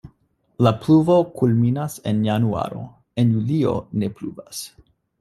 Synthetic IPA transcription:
lapluvo̞kulminasenjanua̰ɾo̞̰ | e̞njulio̞̰ne̞plṵvas

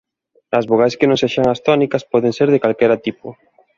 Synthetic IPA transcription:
ɐzβoɣ̞ajskɪnõŋseʃaŋast̪ɔnikɐspɔðeŋseɾðekalkɛɾat̪ipʊ

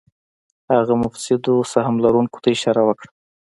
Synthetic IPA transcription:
haɣamʊfsɪd̪osahmlaɾuŋko̥t̪aɪʃɑɾawəkɽa

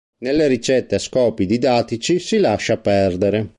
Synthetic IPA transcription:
nelːeɾit͡ʃɛt̪ːeaskɔːpid̪id̪aːt̪it͡ʃisilaʃapɛrd̪eɾe

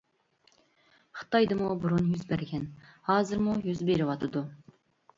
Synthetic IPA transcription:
χɨ̥t̪ɑjd̪ɨmubuɾunjyzbæɾɡʲɛnhɑːzɨɾmujyzbeɾɪwɑt̪ʰɨd̪u

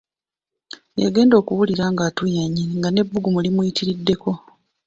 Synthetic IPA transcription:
jaɡe̞ːndo̞ːkuwuliɾaːŋɡaːtujaɲiŋɡane̞bːuɡumulimujitiɾidːe̞ko̞

